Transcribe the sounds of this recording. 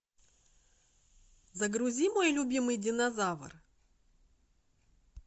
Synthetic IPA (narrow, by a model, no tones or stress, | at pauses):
zəɡɾʊzʲimojlʲʊbʲimɨjdʲɪnɐzavə̰r